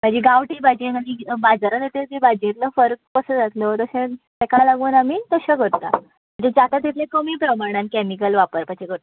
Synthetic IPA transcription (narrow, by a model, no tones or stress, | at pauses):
mad͡ʑiɡaʋʈiːbad͡ʑĩnamibad͡zaɾənet̪et̪ibad͡ʑẽt̪ləfəɾk̚kəsəd͡zat̪ʰlət̪əsẽt̪ekalaɡuːnamiːt̪əɕeɡʱəɽt̪a̰ | m̤əɳd͡ʑed͡ʑat̪at̪̬it̪ʰljekəmiːpɾəmaɽ̃ãnkɛmikəlʋapəɾpət͡ɕʰeɡʱəɾt̪